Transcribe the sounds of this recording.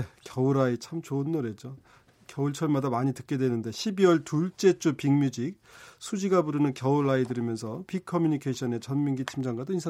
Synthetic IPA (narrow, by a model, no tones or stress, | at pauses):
ekjʌuɾait͡ɕʰamt͡ɕoɯnːoɾe̞d͡ʑo | kjʌuɭt͡ɕʰʌɭmadamaɲitɯk̚k͈e̞dwenɯnde̞ɕʰibiwʌɭtuɭt͡ɕ͈e̞t͡ɕ͈upiŋmjud͡ʑik̚sʰud͡ʑiɡabuɾɯnɯnkjʌuɾaidɯɾimjʌnsʰʌpikʰʌmjuɲikʰeɕʰʌne̞t͡ɕʌnmiŋɡit͡ɕʰimd͡ʑaŋɡadoinsʰa